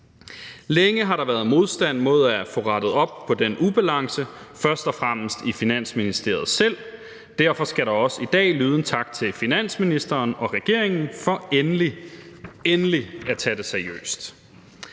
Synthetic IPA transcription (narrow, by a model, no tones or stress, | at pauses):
leŋəɦɑ̈ɾɑ̈ʋæɐð̩ˠmo̝ð̞ˠsd̥æn̰mo̝ð̞̰ˠæfɔ̰ːʁɑ̈d̥ð̩ˠɒ̽b̥̚pʰɒ̽d̥enub̥ælɑ̈ŋsə | fɶɐsd̥ɒ̽fʁam̰əsd̥ifinæn̰sminisd̥e̝ɐð̩ˠsel̰ | d̥æɐfɒ̽sɡ̥æɾɑ̈ɒ̽sid̥ɛ̰ːlyːð̞ˠn̩t͡sʰɑ̈ɡ̥t͡sʰe̝lfinæn̰sminisd̥ɐːnɒ̽ʁɛɡ̥e̝ɐ̰eŋn̩fɒ̽enli | enəliæt͡sʰæd̥eseɐiø̰ːsd̥